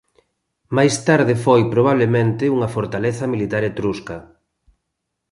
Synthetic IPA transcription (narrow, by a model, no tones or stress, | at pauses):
majst̪aɾðɪfojpɾoβaβ̞lemẽnt̪ɪuŋɐfoɾt̪aleθɐmilit̪aɾet̪ɾuskɐ